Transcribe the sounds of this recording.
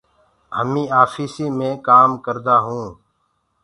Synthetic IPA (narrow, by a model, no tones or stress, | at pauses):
ɦəmĩːaːfiːsiːmẽːkaːmkəɾd̪aːɦũː